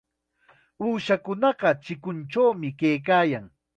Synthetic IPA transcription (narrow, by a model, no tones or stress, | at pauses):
uːʃakʊnɑɢɑt͡ʃɪkʊnt͡ʃawmɪkejkaːjaŋ